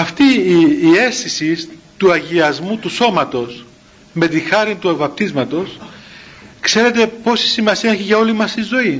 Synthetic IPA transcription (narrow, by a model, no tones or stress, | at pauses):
ɐft̪iː | e̞st̪isist̪uɐʝiɐzmut̪uso̞mɐt̪o̞s | me̞t̪ixɐɾint̪uevɐp̚t̪izmɐt̪o̞s | kse̞ɾe̞t̪e̞po̞si̥simɐsiɐeçiʝɐo̞limɐsizo̞i